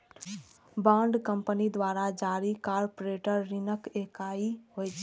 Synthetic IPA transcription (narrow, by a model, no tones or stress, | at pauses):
bãːɳɖkəmpənid̪waːɾad͡ʒaɾikaːɾpoɾeʈəɾːinəkekaiɦojt͡ʃʰɛ